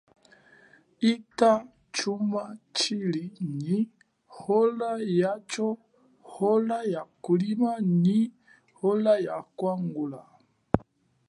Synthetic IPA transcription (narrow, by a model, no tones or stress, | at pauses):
ita | t͡ʃumat͡ʃilini | hɔlajat͡ʃɔ | hɔlajakulimani | hɔlajakwaŋɡula